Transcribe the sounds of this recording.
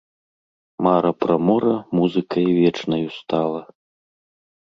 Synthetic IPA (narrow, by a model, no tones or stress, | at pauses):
maɾɐpɾɐmɔɾɐmuzɨkɐjivʲɛt͡ʂnɐjust̪alˠɐ